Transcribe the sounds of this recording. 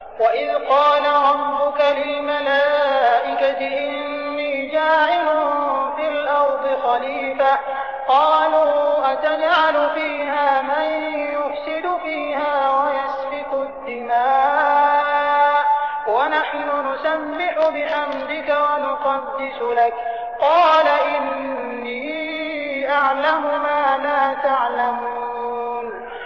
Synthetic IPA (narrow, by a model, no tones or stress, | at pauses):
waʔɪðqɑːlaɾˤɑbːʊkalɪlmalaːʔɪkat̪ɪʔɪɪnːiːd͡ʒaːʕɪlʊfilʔɑɾˤd̪ˤɨxaliːfa | qɑːluːʔat̪ad͡ʒʕalʊfiːhaːmanjʊfsɪd̪ʊfiːhaːwajasbɪqʊd̪ːɪmaː | wanaħnʊnʊsamːɪħʊbɪħamɾɪkawanʊqɑd̪ːɪsʊlak | qɑːlaʔɪnː | iː | ʔaʕlamʊmaːlaːt̪aʕlamuuːn